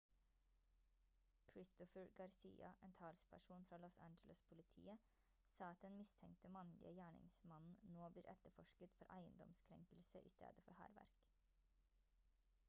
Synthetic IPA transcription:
kʰɾɪst̪ɔfəɹɡɑɾsḭːɑʔeːnt̪ʰɑːlspʰæʂuːnfɾɑːlɔsænd͡ʒələspʰʊlɪt̪ʰḭːə | sɑːɑt̪̚d̪ɛnmɪst̪ʰɛŋkt̪əmɑnlɪ̰əjæːɳɪ̰ŋsmɑnn̩noːbliːɾʔɛt̪əɾfɔʂkət̪fɔɾʔæɪə̰nd̪ɔ̰mskʰɾɛ̰ŋkəlsəʔḭːst̪ʰḛːd̪əfɔɾhæ̰ːɾʋæ̰ɾk

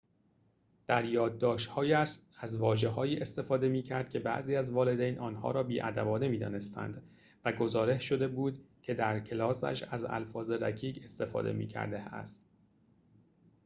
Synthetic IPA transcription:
d̪̥æɾjɒːd̪̚ːɒːʃt̪hɒːjæʃæzvɒːʒe̞ɦɒːjiːʔe̞st̪e̞fɒːd̪e̞miːcʰæɾd̪̥̚cʰe̞bæ̰ʔziːæzvɒːle̞d̪ejnʔɒːnhɒ̰ːɾɒːbiːʔæ̰d̪ævɒːne̞miːd̪ɒ̰ːne̞st̪ʰæ̰nd̪ | væɡo̞zɒːɾe̞hʃo̞d̪e̞buːd̪cʰe̞d̪æɾcʰelɒːsæ̰ʃæ̰zæ̰lfɒːzeɾæ̰cʰiːɡe̞st̪e̞fɒ̰ːd̪ḛmḭːcʰæ̰ɾd̪eæ̰st̪

